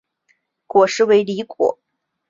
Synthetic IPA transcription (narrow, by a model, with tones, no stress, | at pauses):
kwɔ˨˩ʂɻ̩˧˥we˧˥ɪli˧˥kwɔ̰˨˩˦